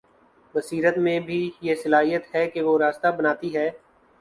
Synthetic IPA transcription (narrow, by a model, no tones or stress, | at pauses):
ʋɐsiːɾət̪mẽbʱijesɐlaːɦijət̪hɛkeʋoɾaːst̪abənaːt̪iɦɛː